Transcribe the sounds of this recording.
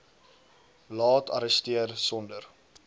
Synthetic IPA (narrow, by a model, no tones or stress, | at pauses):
lɑːtɐ̰ɾəstiərsɔndər